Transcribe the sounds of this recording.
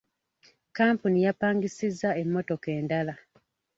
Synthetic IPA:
kaːmpunijapaːŋɡisizːae̞mːo̞to̞ke̞ːndala

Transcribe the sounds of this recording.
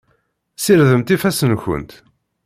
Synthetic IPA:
siɾðəmt̪ifæsənçə̰nt̪

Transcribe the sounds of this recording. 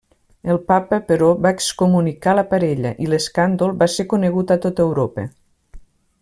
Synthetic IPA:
əlˠpapəpəɾɔβaekskumunikaləpaɾɛʎə̰ʔileskand̪olˠbasekuneɣut̪at̪ot̪əwɾopə̰

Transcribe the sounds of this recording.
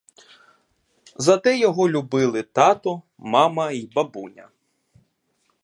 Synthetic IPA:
zɐt̪ɛjɔɦɔlʲʊbɪlˠɪt̪ɑt̪ɔ | mɑmɐibɐbunʲɐ̰

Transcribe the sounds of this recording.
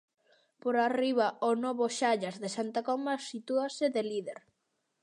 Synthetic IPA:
poɾariβaonɔβʊʃaʎazðesant̪akɔmasit̪uaseðeliðeɾ

